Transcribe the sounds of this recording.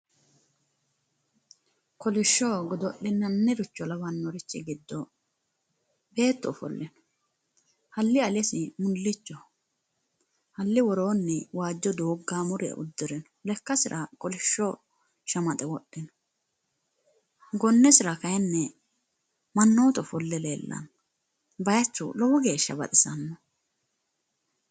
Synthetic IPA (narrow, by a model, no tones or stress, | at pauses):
kɔlɪʃːɔːɡɔd̪ɔʔːɪnːɐnːɛɾʊt͡ʃːɔlɐbɐnːɔɾɪt͡ʃːɛ̰ɡɪd̪ːɔ | be̞ːt̪ːɔfɔ̰lːɛnɔ̥ | hɐlːɪɐlɛsɪmʊlːɪt͡ʃːɔ | hɐlːɪwɔɾo̞ːnːɛwaːd͡ʒːɔd̪oːɡːaːmʊɾɪɐ̰ʔʊd̪ːɪɾɛnɔlɛkːɐsɪɾʔɐkʼɔlɪʃːɔ | ʃɐmɐt̪ʼɛwɔɗːɪnɔ | ɡɔnːɛsɪɾɐkɐjɛnːɛ | mɐnːoːt̪ɔfɔlːɛleːlːɐ̰n | bɐjɐt͡ʃːɔ̰lɔwɔɡe̞ːʃːɐbɐ̰t̪ʼɪsɐnːɔ